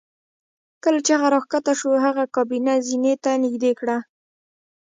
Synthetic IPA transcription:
kəlat͡ʃaɣaɾɑxkat̪aʃoɦaɣakɑbinazinet̪anɪɡd̪ekɽa

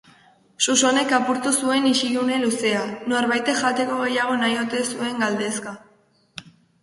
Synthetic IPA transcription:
suso̞ne̞kapuɾt̪usue̞niʃiɣune̞luse̞ano̞ɾβajt̪e̞ʝat̪e̞ko̞ɣejaɣ̞o̞najo̞t̪e̞sue̞ŋɡald̪e̞ska

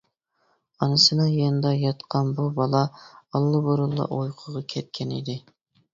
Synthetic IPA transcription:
ɑnɨsɨnɑjɑnɨd̪ɑjɑt̪qʰɑnbubɑlˠɑɑlˠːɨboɾulˠːɑ̰ʔojqʰəʁɑkʲʰɛt̪̚kʲʰɛnḭd̪ɪ

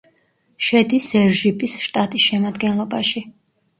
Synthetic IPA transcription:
ʃɛd̪isɛɾʒipʼisʃt̪ʼat̪ʼisʃɛmad̪ɡɛnlˠɔbaʃi

